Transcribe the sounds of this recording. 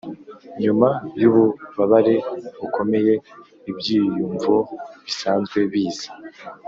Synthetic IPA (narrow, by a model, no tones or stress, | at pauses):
ɲumajuβuβaβaɾe̞βukʰo̞me̞je̞ | ibɟiːjuːɱvoβisaːnzɡwe̞βiːz̥ḁ